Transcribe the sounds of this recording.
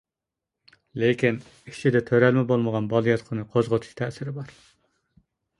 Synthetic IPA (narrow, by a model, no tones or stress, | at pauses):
lekʲin | it͡ʃʰid̪ɛt̪ʰøɾɛlmɛbolˠməʁɑnbɑlˠɨjɑt̪qʰənɨqʰozʁot̪ʰu̥ʃt̪ʰɛːsɪɾɪbɑɾ